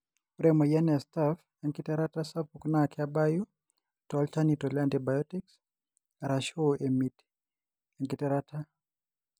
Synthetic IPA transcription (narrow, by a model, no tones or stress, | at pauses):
uɾɛmɔjanɛstaf | ɛŋkitɛɾatasafuknakɛabaju | talt͡ʃanitɔlɛantibajɔtiks | aɾaʃoemit | ɛŋɡitɛɾatʰa